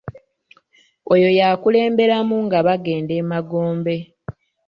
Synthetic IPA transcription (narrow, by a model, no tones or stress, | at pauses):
ojo̞jaːkule̞ːmbe̞ɾamuŋɡaβaɡe̞ːnde̞maɡo̞ːmbe̞